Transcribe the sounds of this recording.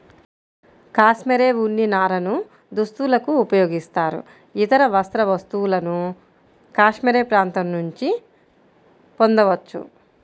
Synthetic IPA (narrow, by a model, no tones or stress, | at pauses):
kaːʃmeɾeːʋuɳːinaːɾɐnu | d̪ust̪ulɐkuːpɐjoːɡist̪aːɾṵ | it̪ɐɾɐʋɐst̪ɾɐʋɐst̪uulɐnu | kaːʂmeɾeːpɾaːnt̪ɐmnuɲt͡ʃi | po̞nd̪ɐʋɐt͡ʃːṵ